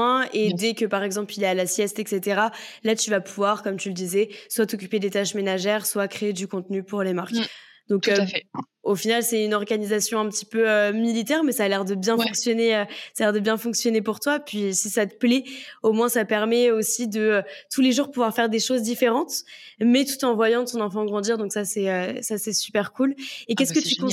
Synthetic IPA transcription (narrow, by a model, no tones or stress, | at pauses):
ɛ̃ed̪ɛkʲəpaʁɛɡzɑ̃plilaalasjɛst̪ɛkset̪eʁalat̪yvapuvwaʁkɔmt̪yləd̪izɛswat̪ɔkʲyped̪et̪aʃmenaʒɛʁswakχeed̪ykɔ̃t̪nypuʁlemaʁk | d̪̥ɔ̃kø | ofinalsɛynɔʁɡanizasjɔ̃ɛ̃pət̪i̥pøømilit̪ɛʁmɛsaːlɛʁd̪əbjɛ̃fɔ̃ksjɔneøsalɛʁd̪əbjɛ̃fɔ̃ksjɔnepuʁt̪wapɥisisat̪ə̥plɛomwɛ̃sapɛʁmɛosid̪əøt̪ʰuleʒuʁpuvwaʁfɛʁd̪eʃozd̪ifeʁɑ̃t̪ | mɛt̪ut̪ɑ̃vwajɑ̃t̪ɔ̃nɑ̃fɑ̃ɡʁɑ̃d̪iʁd̪ɔ̃ksasɛøsasɛsy̥pɛʁkulekɛskət̪yk